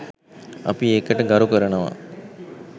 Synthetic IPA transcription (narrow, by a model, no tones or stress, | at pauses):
ɐ̰pieːkɐʈɐɡɐɾukɐɾɐnɐʋa̰